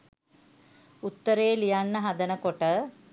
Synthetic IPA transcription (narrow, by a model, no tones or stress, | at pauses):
ut̪ːəɾeːlijanːəɦɐd̪ənəkoʈə